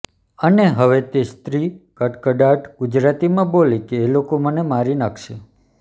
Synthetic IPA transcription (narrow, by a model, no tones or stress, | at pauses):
əneɦəʋet̪est̪ɾikəʈkəɖaʈɡud͡ʒɾat̪imãbolekeːlokomənemaɾinakʰʃe